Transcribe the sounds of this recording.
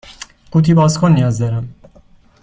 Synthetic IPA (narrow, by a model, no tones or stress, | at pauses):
ɡ̥uːt̪ʰiːbɒːzkʰonːijɒːzd̪ɒːɾæm